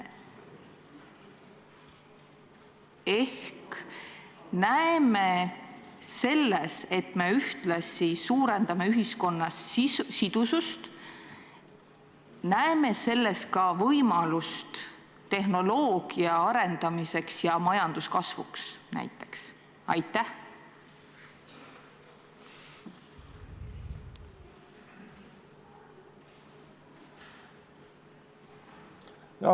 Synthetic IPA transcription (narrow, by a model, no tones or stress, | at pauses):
e̞hk | næeme̞ | se̞lːese̞t̪me̞yht̪lɑsisuːɾe̞nd̪̥ɑme̞yɦisko̞nːɑssid̪̥usust̪ | næeme̞se̞lːe̞st̪̚kɑvɤjmɑlust̪ | t̪ːe̞hno̞lo̞ːɡ̥iɑɑɾe̞nd̪̥ɑmise̞ksjɑmɑjɑnd̪̥uskɑsvṵksnæ̰jt̪ːˑe̞̥ks | ɑjt̪ːˑæh | j